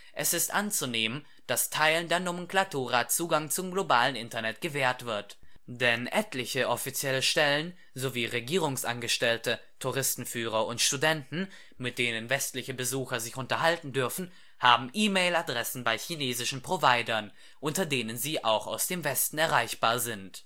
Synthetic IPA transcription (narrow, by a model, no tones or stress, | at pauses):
ʔɛsɪstʔant͡suneːmən | d̥astʰaɪləndeːɐnomɛnkl̥atʰuːʁat͡suːɡaŋt͡sʊmɡlobaːlənʔɪntɐnɛtɡ̥əvɛːɐtv̥ɪɐtd̥ɛnʔɛtlɪçəʔɔfit͡sjɛləʃtɛlən | zoviːʁeɡiːʁ̞ʊŋsʔa̰nɡəʃtɛltə | tʰuʁ̞ɪstn̩fyːʁ̞ɐʊntʃtudɛntn̩ | mɪt̚d̥eːnənvɛstlɪçəbəzuːxɐzɪçʊntɐɦaltn̩dʏɐfn̩ | haːbm̩ʔiːmeɪladʁɛsn̩baɪçineːzɪʃn̩pʁ̥ovaɪdɐn | ʔʊntɐdeːnənziːʔa̰ʊxa̰ʊsd̥eːmvɛstn̩ɛɐʁaɪçb̥aːɐzɪnt